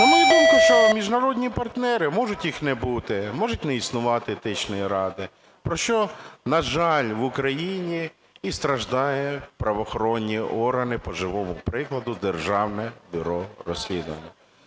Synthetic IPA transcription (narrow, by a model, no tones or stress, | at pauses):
ɔmɪd̪ummʊʃt͡ʃɔmʲiʒnɐɾɔdʲnʲipɐrt̪nɛɾɪmɔʒʊtʲjixnɛbut̪ɪmɔʒʊtʲnɛisnʊʋɑt̪ɪt̪ɪt͡ʃnɔjiɾɑd̪ɪ | pɾɔʃt͡ʃɔnɐʒɑlʲʋʊkɾɐjinʲiː | st̪ɾɐʒd̪ɑjɛpɾɐʋɔxɔɾɔnʲːiʔɔrɦɐnɪpɔʒɪʋɔmʊpɾɪklˠɐd̪ʊd̪erʒɑwnɛbʲʊɾɔrɔsʲlʲid̪ʊʋɐ̰nʲːɐ